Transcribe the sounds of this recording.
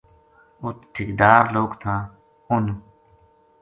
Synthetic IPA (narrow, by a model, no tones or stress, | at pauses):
ʊt̪ʈʰikd̪aːɾloːɡt̪ʰãː | ʊn